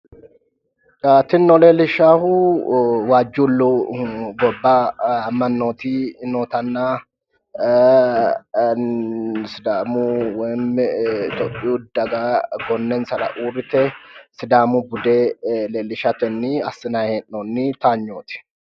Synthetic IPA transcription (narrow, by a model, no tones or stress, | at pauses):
aːt̪ɪnːɔleːlɪʃaːhu | waːd͡ʒːuːlːuɡɔbːaːɐmːɐnːoːt̪iːnoːt̪ɐnːaː | sɪd̪aːmuwmɪt̪ɔpʼːɪjuːd̪ɐɡaɡɔnːɛnsɐlɐ̰ʔuːɾɪt̪ɛsɪd̪aːmubʊd̪eːleːlɪʃat̪ɛnːiɐsːɪnahenːonːit̪aːɲːoːt̪ɪ̥